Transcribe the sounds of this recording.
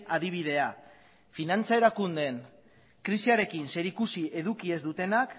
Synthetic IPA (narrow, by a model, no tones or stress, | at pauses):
aðiβ̞iðe̞a | finant͡sae̞ɾakund̪e̞n | kɾisiaɾe̞kinse̞ɾikusie̞ðukie̞zd̪ut̪e̞nak